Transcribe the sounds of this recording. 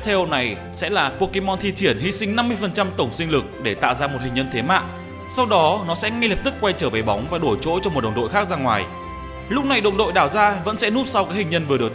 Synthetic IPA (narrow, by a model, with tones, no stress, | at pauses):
t̪ʰe˧ʔo˧na˨˩j | sɛ̰˧˥laː˨˩po˧ke˧mɔ˧nt̪ʰi˧t͡ɕi˧˩ənhḭ˧˥si˧ŋ̟na˧mːɨ˧əjfə˨˩nt͡ɕa˧mt̪ə˧˩wŋ͡msï˧ŋ̟lɨ˨˩k̚ɗe˧˩t̪a̰ː˧˨wzaː˧m˨˩t̚hï̟˨˩ɲə˧nt̪ʰe˨˦ma̰ː˧˨ | sa˧wɗɔ˨˦nɔ˨˦sɛ̰˧˥ŋɛ˧lə˨˩p̚t̪ɨ˦˥k̚kwa˧jt͡ɕəː˧˩ve˨˩jɓa˨˦wŋ͡mvaː˨˩ɗo˧˩jt͡ɕo̰˧˥t͡ɕɔ˧mo˨˩t̚ɗə̰˨ŋ͡mɗo̰˧˨jxaː˦˥k̚zaː˧ŋwaː˨˩j | lʊ˦˥k͡p̚na˨˩jɗo̰˧˨ɗo̰˧˨jɗaː˧˩wzaː˧və̰˧˥nsɛ̰˧˥nu˦˥t̚sa˧wkaː˦˥k̚hï˨˩ŋ̟ɲə˧nvɨ˨˩əɗək